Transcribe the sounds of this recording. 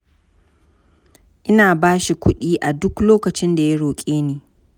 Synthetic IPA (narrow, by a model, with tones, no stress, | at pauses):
ʔɪ˦naː˨baː˦ʃi˨kʷʊ˦ɗiː˦ʔa˨dʊ˦kloː˦kɐ˨t͡ʃɪ˦nda˨jɐ˦ɽoː˨kʲʼeː˦niː˨